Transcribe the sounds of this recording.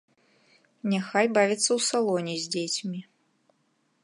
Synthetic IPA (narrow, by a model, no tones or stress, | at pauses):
nʲaxajbavʲit̪sːɐwsalˠɔnʲɛzʲd͡zʲet͡sʲmʲi